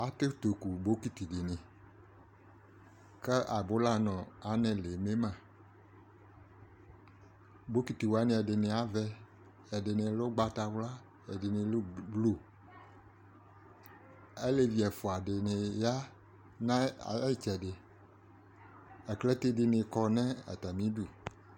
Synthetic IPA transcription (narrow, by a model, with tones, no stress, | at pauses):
a˨t̪e˦t̪o˨ku˨bo˦ki˦t̪i˨dɪ˨nɪ̃˨ | kɛ˦ʔa˨bo˦la˦nɔ̃˨a˨˦nɛ̃˨le˨me˦mã˨ | bo˦ki˨t̪i˨wa˦nẽ˨ɛ˨dɪ˨nɪ̃˨a˦vɛ˦ | ɛ˨dɪ˨nɪ̃˨lo˦ɡ͡ba˨t̪a˨wla˦ | e˨de˨nẽ˨lblu˦ | e˦le˨vi˨ɛ˨fo˨a˨ɖe˨nẽ˨ja˦ | nã˦˨˦t͡ʃɛ˨ɖe˨ | ɛ˨kle˦t̪e˦ɖe˨nẽ˨kɔ˨nɛ̃˦ɛ̰˨t̪a˨mĩ˦ɖu˨